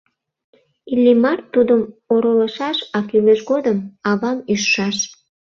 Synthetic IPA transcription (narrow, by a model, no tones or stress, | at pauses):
ilʲːimɑrt̪ːud̪əmoɾələʃɑʃɑkyleʃɡod̪əmɑβɑmyʃʃɑʃ